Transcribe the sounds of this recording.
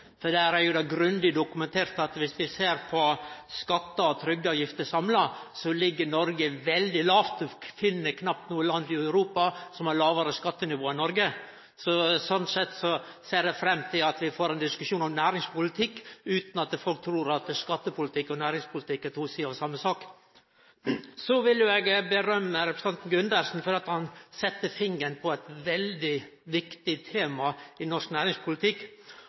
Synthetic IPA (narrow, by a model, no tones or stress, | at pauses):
fɔɖ̪ææɾæɾjʊd̪ɑɡɾʉnd̪ɪd̪ʊkʉmɛnt̪ʰeːɾt̪ɑt̪ʋɪsʋɪseːɾpʰɔskɑt̪ːəɔt̪ʰɾʏɡ̪ɑʋjɪft̪əsɑmlɑsɔlɪɡːəɳɔɾɡəʋɛld̪ɪlɑːʋt̪ʰfɪnːəkʰnɑp̚t̪nuːəlɑnd̪ɪœʉɾuːpɑsɔmæɾɭɑːʋəɾəskɑt̪ːənɪʋoːɪnɔɾɡə | sɔsɔnt̪sɛt̪ːsɔ | seːɖɛfɾɛmːt̪ʰɪlɑt̪ʋɪfoːɾɛɪnd̪ɪskʉʂuːnɔmnæːɾɪŋspʰʊlɪt̪ʰɪkːʉːt̪nɑt̪fɔlk̚t̪ʰɾuːɾɑt̪skɑt̪ːəpʰʊlɪt̪ʰɪkːɔnæːɾɪŋspʰʊlt̪ʰɪkːæʈ̪ʰuːsiːɑːʋsɑmːəsɑːk | sɔʋɪljʊɛɡbəɾœmːəɾɛpɾəsɛnt̪n̩ɡʉnd̪əɾʂn̩fɔd̪ɛːɑt̪hɑnsɛt̪ːəfɪŋːənpʰɔæt̪ʋɛld̪ɪʋɪkt̪ɪt̪ʰeːmɑɪnɔʂknæːɾɪŋspʰʊlɪt̪ʰɪkː